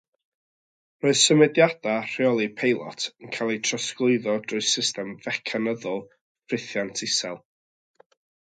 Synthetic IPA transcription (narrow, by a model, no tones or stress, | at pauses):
roːɨð̥səmɛdjad̥ar̥ɪɔlˠipʰejlˠɔ̰tʰənkʰalˠejtʰrəsklˠʊɨðɔdrʊɨsɪstɛmvɛkʰanəðʊlˠ | frɪθjantʰɪsɛlˠ